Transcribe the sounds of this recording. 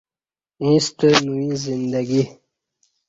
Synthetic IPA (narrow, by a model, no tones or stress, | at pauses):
ĩst̪ənuĩzind̪aɡi